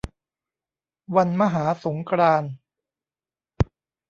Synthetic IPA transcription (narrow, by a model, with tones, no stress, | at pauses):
wa˧nma˧ɦaː˩˦so˩˦ŋkʰɾaː˧n